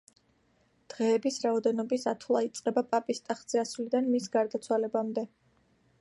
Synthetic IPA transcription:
d̪̥ʁɛːbisɾaɔd̪ɛnɔbisat̪ʰulˠait̪sʼqʼɛbapʼapʼist̪ʼaχd̪z̥ɛasulid̪anmisɡaɾd̪at̪sʰwalɛbamd̪ɛ

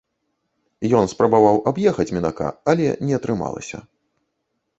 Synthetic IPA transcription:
jɔnspɾɐbavawʔabjɛxɐt͡sʲmʲinaka̰ɐlʲɛ̰nʲɛɐt̪ɾɨma̰lˠɐ̰sʲɐ̰

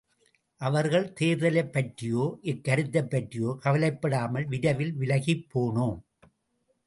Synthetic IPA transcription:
ʔɐʋɐɾɣɐɭt̪eːɾðɐlɐɪpːɐʈrɪjoːʔɪkːɐɾɯt̪ːɐpːɐʈrɪjoːkɐʋɐlɐɪpːɐɽaːmɐlʋɪɽɐʋɪlʋɪlɐɣipːoːɳoː

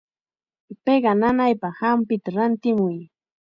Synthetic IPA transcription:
peɢɑnanajpɑhampɪt̪aɾant̪ɪmʊj

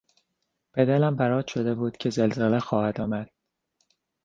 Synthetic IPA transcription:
b̥ed̪ælæmbæɾɒːt̪ʃo̞d̪e̞buːd̪̥cʰe̞zelzelexɒːhæd̪ɒːmæd̪̥̚

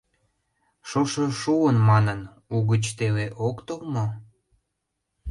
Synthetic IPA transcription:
ʃoʃoʃuənmɑnən | uɣət͡ɕt̪eβeʔokt̪olmo

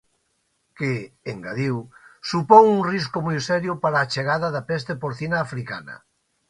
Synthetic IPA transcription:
keeŋɡaðiwsupoŋuŋriskʊmojsɛɾjʊpaɾaːt͡ʃeɣaðaðapɛs̬t̪epoɾθinaːfɾika̰nɐ̰

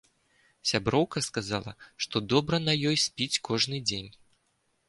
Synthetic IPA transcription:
sʲabɾɔwkɐskazalˠɐ̰ʂt̪ɔd̪ɔbɾɐnɐjɔjsʲpʲit͡sʲkɔʐnɨd͡zʲenʲ

